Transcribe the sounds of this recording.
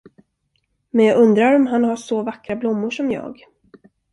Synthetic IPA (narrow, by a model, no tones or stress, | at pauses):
mɛnjɑːɡɵnd̪ɾaɾɔmɦanhaʂɔvakɾablʊmːʊʂɔmjɑ̰ːɡ